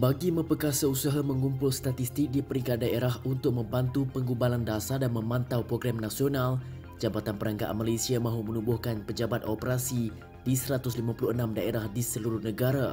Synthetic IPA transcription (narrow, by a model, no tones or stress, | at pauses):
baɡimə̃pəkasausaɦamə̃ŋumpʊlst̪at̪ist̪ɪk̚dipəɾikat̪̚daeɾaɦunt̪ʊk̚mə̃mbant̪upəŋɡubalandasadanmə̃mãnt̪awpɾoɡɾamnasional | d͡ʒabat̪anpəɾaŋɡa̰ʔa̰nmalesiamãɦumə̃nubʊhkanpəd͡ʒabat̪̚opəɾasi | d̥isəɾat̪ʊslimapulʊhənãmdaeɾahdisəluɾʊhnəɡaɾa